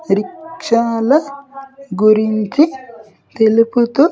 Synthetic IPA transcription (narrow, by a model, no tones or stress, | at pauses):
ɾikʂaːlɐ | ɡuɾiɲt͡ʃi | t̪eluput̪u